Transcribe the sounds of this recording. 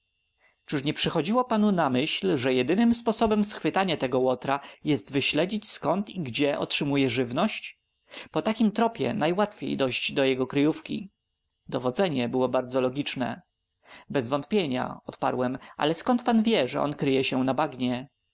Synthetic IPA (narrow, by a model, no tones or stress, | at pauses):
t͡ʂɘʂɲɛpʂɘxɔd͡ʑiwɔpanunamɘɕlʐɛjɛd̪ɘnɘmspɔsɔbɛmsxfɘt̪aɲat̪ɛɡɔwɔt̪ɾajɛst̪vɘɕlɛd͡ʑit͡ɕskɔnt̪iɡd͡ʑɛʔɔ̰tʂɘmujɛʐɘvnɔɕt͡ɕ | pɔt̪akʲimt̪ɾɔpʲjɛ̰najwat̪fʲjḛjd̪ɔɕd͡ʑd̪ɔjɛɡɔkɾɘjufkʲḭ | d̪ɔvɔd̪zɛɲɛbɘwɔbaɾd̪zɔlɔɡʲit͡ʂnɛ̰ | bɛzvɔnt̪pʲjeɲa̰ɔt̪pa̰ɾwɛmʔa̰lɛskɔnt̪̚panvʲjɛʐɛ̰ʔɔ̰nkɾɘjɛɕɛnabaɡɲɛ